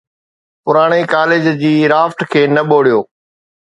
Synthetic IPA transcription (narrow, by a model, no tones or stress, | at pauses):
pʊɾaːɽ̃ikaːled͡ʑd͡ʑiːɾaːfʈkʰeːnɐɓoːɽijoː